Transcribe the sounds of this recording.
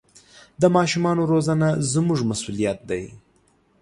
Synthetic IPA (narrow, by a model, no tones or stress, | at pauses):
d̪əmɑʃumɑnoɾozanazmuʐmasulijat̪̚d̪aj